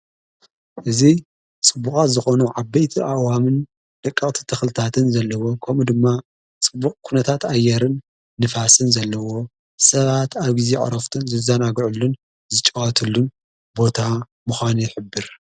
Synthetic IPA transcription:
ʔɨzi | t͡sʼɨbːukʼat̪zɨxo̞nuʕabɐjt̪ʰiʔawamɨn | d̪̥ɐkʼːɐχʼt̪ʰi̥t̪ʰɨxlɨt̪ʰat̪ʰɨnzɐlːɐwo̞kʰɐmud̪ɨmːa | t͡sʼɨbːukʼkʰunɐt̪ʰat̪ʰajːɛɾɨnː | ɨfasɨnzɐlːɐwo̞ | sɐβat̪ʰaβɡizeʔʼɾɐft̪ʰɨnzɨzɐnaɡʕulːun | zɨt͡ʃʼɐwɐt̪ʰɨlːun | bo̞t̪ʰa | muxʷaniħɨbːɨɾ

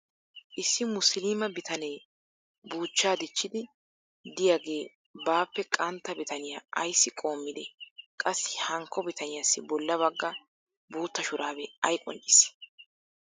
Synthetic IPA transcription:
ʔɪsːɪmʊslimɐbɪt̪ɐnɛj | buːt͡ʃːaːd̪ɪt͡ʃːɪd̪ɪ | d̪ɪjaɡe̞ː | baːpːɛkʼɐnt̪ːɐbɪt̪ʰɐnɪjaʔɐjsːɪkʼo̞ːmːɪd̪ɛkʼɐsːɪhɐŋkʰːɔbɪt̪ʰɐnɪjasːɪbɔlːɐβɐɡːɐ | buːt̪ːɐʃʊɾaːbɛɐjkʼɔ̰nt͡ʃʼːɪs

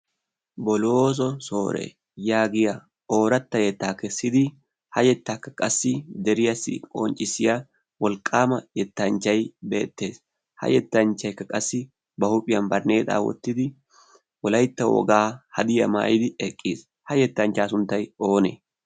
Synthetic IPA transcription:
bɔlo̞ːs̬ɔso̞ːɾḛ | jaːɡɪja | o̞ːɾɐt̪ːɐjɛt̪ːaːkɛsːɪd̪ɪ | hɐjɛt̪ːaːkːɐ̥kʼɐsːɪd̪ɛɾɪjɐsːɪ̰kʼɔ̰nt͡ʃʼːɪsɪja | wɔlkʼːaːmɐjɛt̪ːɐnt͡ʃːɐjbe̞̰ːt̪ːe̞ːs | hɐ̰jɛt̪ːɐnt͡ʃːɐjkːɐkʼɐsːɪ | bɐhʊpʼɪjɐnbɐɾne̞ːt̪ʼa̰ːwɔ̰t̪ːɪd̪ɪ | wɔlɐjt̪ːɐwɔ̰ɡaːhɐd̪ɪjɐ̰ma̰ːjɪd̪ɪɛkʼːis | hɐjɛt̪ːɐnt͡ʃːaːsʊnt̪ːɐjoːnḛː

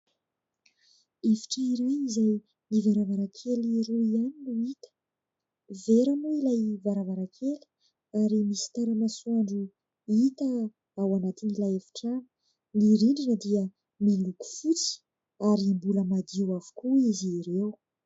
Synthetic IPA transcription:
evi̥ʈ͡ʂəiɾewizaj | nivaɾavaɾakʰeliɾuianinuit̪ə̥ | veɾanuilajvaɾavaɾakʰeli̥ | aɾimisi̥t̪aɾanasuaɳɖ͡ʐu | it̪ə | awanat̪inilajefi̥ʈ͡ʂanə̥ | niɾiɳɖ͡ʐinəd̪iə | miluku̥fut͡si̥ | aɾimbuləmad̪iwavu̥kuiziɾew

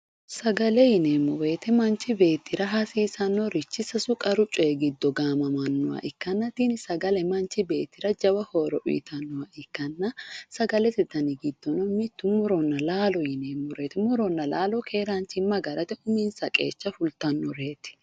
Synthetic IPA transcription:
sɐɡɐlɛjɪneːmːɔwe̞ːt̪ɛmɐnt͡ʃɪbe̞ːt̪ːɪɾɐɦɐsiːsɐnːɔɾɪt͡ʃːɪsɐsʊkʼɐɾʊt͡ʃʼːɔɛɡɪd̪ːɔɡaːmɐmɐnːʊwɐ̰ʔɪkːɐnːɐt̪iːnɪsɐɡɐlɛmɐnt͡ʃɪbe̞ːt̪ːɪɾɐd͡ʒɐwɐhoːɾɔʔʊ̰t̪ʰɐnːɔwaʔɪkːɐnːɐsɐɡɐlɛt̪ɪd̪ɐnɪɡɪd̪̥ːɔnɔmɪt̪ːʊmʊɾɔnːɐlaːlɔjɪneːmːɔɾeːt̪ɪmʊɾɔnːɐlaːlɔkʰe̞ːɾaːnt͡ʃɪmːɐɡɐɾɐt̪ɛʊmiːnsɐkʼḛːt͡ʃːɐfʊlt̪ɐnːɔɾe̞ːt̪ɪ̥

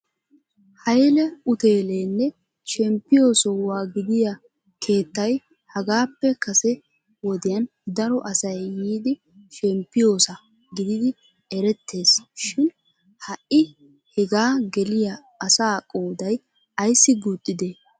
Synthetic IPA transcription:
hɐjlɛʊt̪e̞ːle̞ːnːɛ | ʃɛmpːɪjo̞ːsɔwaːɡɪd̪ɪjɐ | kʰe̞ːt̪ːɐj | hɐɡaːpːɛkɐsɛ | wɔd̪ɪjɐn | d̪ɐɾɔʔɐsɐjːiːd̪ɪ | ʃɛmpːɪjo̞ːsɐ | ɡɪd̪ɪd̪ɪ | ɛɾɛt̪ʰːe̞ːsʃɪn | hɐʔɪ | hɛɡaːɡɛlɪjɐː | saːkʼoːd̪ɐj | ɐjsːɪɡut̪ʼːɪd̪eː

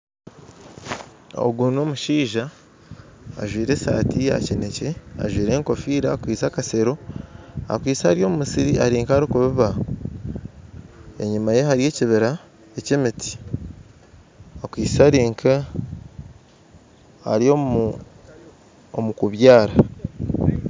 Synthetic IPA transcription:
o̰ɡunoːmuʃiːʒaː | ʒwiːɾe̞sa̰ːtija̰cine̞ce̞a̰ʒwiːɾe̞ːŋko̞fiːɾaːkwiːt͡sakase̞ɾo̞ | a̰kwiːsahaɾijo̞ːmumusiɾiaɾiːŋkaaɾikuβiβa | eɲumaje̞ɦaɾije̞ːciβiɾa | ecemiti̥ | akwiːsaɾiːŋkʰa | a̰ɾio | omukuβjaːɾa

